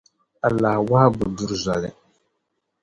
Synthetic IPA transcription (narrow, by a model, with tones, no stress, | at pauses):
a˨la˨hwa˦ha˦bu˨du˨ɾza˨lɪ˨